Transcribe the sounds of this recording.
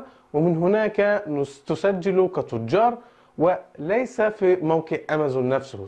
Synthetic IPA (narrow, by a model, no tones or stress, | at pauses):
wɪmɪnɦʊnaːkat̪ʊsad͡ʒːɪlukat̪ːʊd͡ʒːɑːɾˤ | wɪlajsafimawqɪʕʔamazunːafsʊh